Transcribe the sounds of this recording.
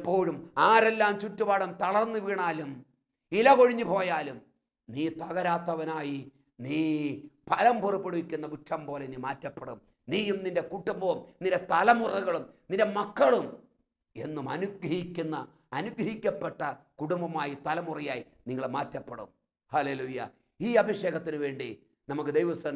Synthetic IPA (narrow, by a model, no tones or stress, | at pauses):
pːo̞ːɻumaːɾelːaːmt͡ɕutːupaːɽɐmt̪ɐɭɐrnːɨʋiːɳaːlum | ilɐko̞ɻiɲːupo̞ːjaːlum | niːt̪ɐɣɐɾaːt̪ːɐʋɐnaːji | niːpɐlɐmpuripːeɽuʋikʲːunːɐbuʈʂɐmpo̞ːle̞niːmaːtːɐpːeɽṵm | niːjumninde̞kuʈːumbɐumninde̞t̪ɐlɐmurɐɣɐɭumninde̞mɐkːɐɭum | e̞nːumɐnuɡɾɐhikʲːunːɐː | nuɡɾɐɦikʲːɐpːeʈːɐkuɽumbɐmaːjit̪ɐlɐmurijaːji | niŋːɐɭmaːtːɐpːeɽṵm | hɐleːluːjɐ̰ | iːɐbʱiʂe̞ːɣɐt̪ːinɨʋe̞ːɳɖi | nɐmukːɨd̪ejʋɐsɐn